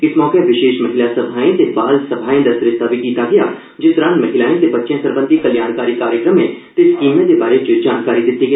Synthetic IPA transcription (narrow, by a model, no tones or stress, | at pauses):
ɪsmɔːkeʋɪʃeːʃmɐɦɪlasɐbʱaːẽt̪ebaːlsɐbʱaːẽd̪asɾɪst̪aʋikiːt̪aɡɐjaː | d͡ʒɪt̪ɾãːnmɐɦɪlaːẽt̪ebɐtːʃjãsəɾbə̃nd̪ʱikɐljaːnkaːɾiːkaːɾjəkɾəmẽt̪eskiːmjãd̪ebaːɾet͡ʃəd͡ʒaːnkaːɾid̪ɪt̪ːiɡə